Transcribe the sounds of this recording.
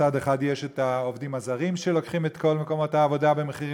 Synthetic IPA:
ade̞χadjeʃetao̞vdimazaʁimʃelo̞kχimetkʰo̞lmeko̞mo̞thaːvo̞dabe̞meχiʁi

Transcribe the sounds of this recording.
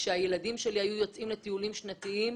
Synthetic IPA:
ʃeaje̞ladimʃe̞lihajujo̞t͡sʔimlet̪iulimʃnat̪iim

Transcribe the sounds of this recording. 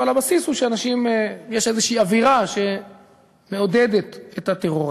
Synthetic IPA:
alhabasishuʃeanaʃimjeʃezeʃiiaviʁaʃe̞ | me̞o̞d̪ed̪et̪et̪hat̪eʁoʁi

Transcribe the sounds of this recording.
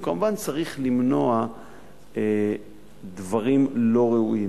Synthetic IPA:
kamuvant͡saʁiχlimno̞a | e | d̪vaʁimlo̞ʁeui

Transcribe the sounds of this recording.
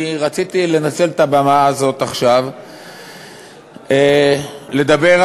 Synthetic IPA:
ʁat͡sit̪ile̞nat͡se̞let̪abamaːzo̞t̪aχʃav | ele̞d̪abe̞ʁ

